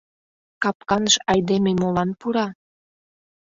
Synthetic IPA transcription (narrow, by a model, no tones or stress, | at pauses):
kɑp̚kɑnəʃɑjd̪ememolɑnpuɾɑ